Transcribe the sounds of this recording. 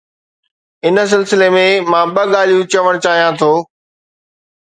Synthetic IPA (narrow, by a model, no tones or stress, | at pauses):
ɪnə̆s̬ɪlsɪlemẽmãːɓɐɠaːl̤ijũt͡ɕɐʋəɽ̃t͡ɕaːɦijãt̪ʰoː